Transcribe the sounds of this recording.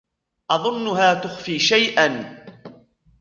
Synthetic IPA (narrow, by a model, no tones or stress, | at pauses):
ʔɑðˤʊnːʊɦaːt̪ʊxfiːʃajʔan